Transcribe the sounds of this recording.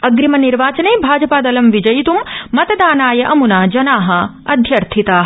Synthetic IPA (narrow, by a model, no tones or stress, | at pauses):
ɐɡɾimɐniɾʋaːt͡ʃɐnɐːbʱaːd͡ʒɐpaːd̪ɐlɐmʋid͡ʒɐjit̪umːɐt̪ɐd̪aːnaːjɐʔɐmunaːd͡ʒɐnaːɦɐ | ɐd̪ʱjɐɾt̪ʰit̪aːɦɐ